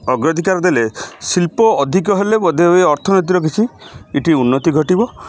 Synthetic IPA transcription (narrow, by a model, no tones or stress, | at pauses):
ɔɡɾɔd̪ʱikaɾɔd̪elesilpɔːd̪ʱik̬ɔɦelebɔd̪ʱeɦoeɔɾt̪ʰɔnet̪̬iɾɔk̬it͡ʃʰiiʈiunːɔt̪iɡʱɔʈibɔ